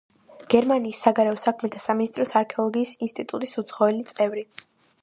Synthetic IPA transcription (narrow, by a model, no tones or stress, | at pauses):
ɡ̥ɛɾmaniːsːaɡaɾɛɔsakʰmɛt̪ʰasaminist̪ʼɾɔsaɾkʰɛɔlˠɔɡiːsinst̪ʼit̪ʼut̪ʼisut̪sʰχɔɛlit̪sʼɛvɾi